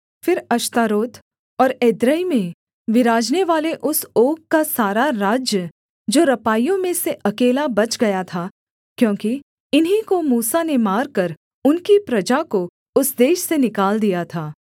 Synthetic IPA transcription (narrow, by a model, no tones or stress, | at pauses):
fɪɾɐʃt̪aːɾoːt̪ | ɔːɾeːd̪ɾəimẽ | ʋɪɾaːd͡ʒneʋaːleʔʊsoːkkːasaːɾaɾaːd͡ʒjə | d͡ʒoːɾɐpaːijõmẽseʔɐkeːlabɐt͡ʃɡɐjat̪ʰaː | kjõːki | ɪnɦikomuːsanemaːɾkɐɾ | ʊnkipɾɐd͡ʒako | ʊsd̪eːʃsenɪkaːld̪ijat̪ʰaː